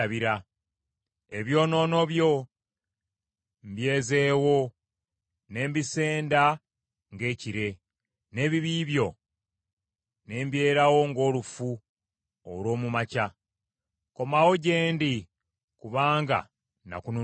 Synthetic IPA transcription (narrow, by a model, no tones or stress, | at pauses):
βiɾa | eβjo̞ːno̞ːno̞βjo̞ | mbje̞ːze̞ːwo̞ | ne̞ːmbise̞ːnda | ŋɡe̞ːciɾe̞ | ne̞ːβiβiβjo̞ | ne̞ːmbje̞ːɾawo̞ŋɡo̞ːlufu | o̰lwo̞ːmumaca | ko̞mawo̞ɟe̞ːndi | kuβaːŋɡa̰ | na̰kunu